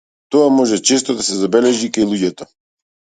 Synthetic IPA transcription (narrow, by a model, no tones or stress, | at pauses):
t̪ɔamɔʒɛt͡ʃɛst̪ɔd̪asɛzabɛlɛʒikajlˠuɟɛt̪ɔ